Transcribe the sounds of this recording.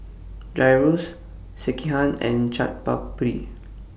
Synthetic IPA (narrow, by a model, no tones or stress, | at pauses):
dajɹos | sɛkiɦãnɛ̰̃nt͡ʃat̚pa̰ppɹi